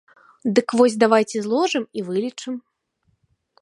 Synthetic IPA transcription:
d̪ɨkvɔzʲd̪avajt͡sʲɛzlˠɔʐɨmivɨlʲit͡ʂɨm

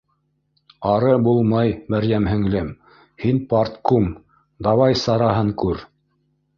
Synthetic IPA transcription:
ɑɾɤbulˠmɑjmæɾjæmɦɘ̆ŋlɘm | hinpɑrt̪kum | d̪ɑwɑjsɑɾɑɦɤŋkʉɾ

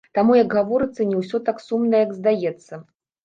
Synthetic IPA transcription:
t̪amujɐɡɣavɔɾɨt̪sːɐnʲɛwsʲɔt̪aksumnɐjjɐɡzd̪ajɛt̪sːɐ

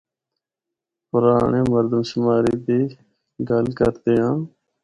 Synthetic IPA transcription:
pʊɾaːɳeːməɾd̪əmʃʊmaːɾiːd̪iː | ɡəlkəɾt̪eːɦãː

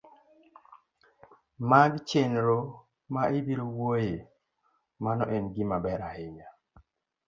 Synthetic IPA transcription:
maɡt͡ʃenɾo | maʔebiɾowoje | manɔʔenɡɪmabɛɾahɪɲa

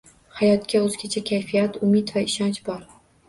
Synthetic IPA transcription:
hajɒt̪kʲaɵzɡʲat͡ʃʰakʲʰajfijat̪ʰʊmɪd̪vaɪʃɒnt͡ʃbɒɾ

